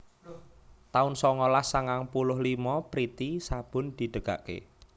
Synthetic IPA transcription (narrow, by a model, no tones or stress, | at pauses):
t̪aʊnsɔŋɔlasaŋaŋpulʊhlimɔpɾit̪isab̥ʊ̤nd̪̥i̤ɖ̪̥ə̤ɡ̥a̰ʔkḛ